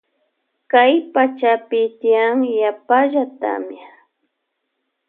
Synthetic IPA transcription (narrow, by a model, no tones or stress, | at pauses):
kajpat͡ʃapɪt̪ɪjaŋjapaʒat̪a̰mja